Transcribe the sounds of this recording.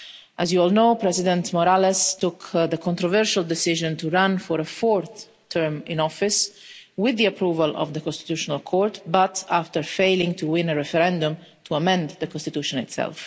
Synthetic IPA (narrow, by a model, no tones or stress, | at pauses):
ʔəzjuɔlnoːpɾɛzɪd̪ɛ̃nt̪mɔɾalɛst̪ukd̪əkʰɔ̃nt̪ɾɔvɛɹʃald̪ɛsɪʒɔ̃nt̪uɹãnfɔɾəfɔɹθʰ | əɹmɪ̃nɔfɪs | wɪðːiapɾuːvəlɔ̰vd̪əkɔ̃nst̪i̥t̪juʃɔnalkʰɔɹt̪bat̪aft̪əɹfeɪlɪ̃ŋt̪uwɪ̃nəɹɛfɛɾɛ̃nd̪ũmt̪ʰuamɛ̃nd̪d̪əkɔ̃nst̪it̪juʃɔ̃nɪ̰t̪sɛ̰lf